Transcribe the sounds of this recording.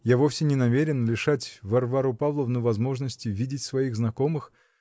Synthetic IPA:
javofsʲɪnʲɪnɐmʲeɾʲɪnlʲɪʂatʲvɐrvaɾupavlˠəvnəvɐzmo̞ʐnəsʲtʲɪvʲidʲɪtʲsvɐiɣznɐko̞mɨx

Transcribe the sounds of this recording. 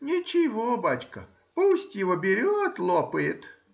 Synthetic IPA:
nʲɪt͡ɕɪvobat͡ɕkə | pusʲtʲjɪvobʲɪɾʲot̪lˠopəjɪt̪

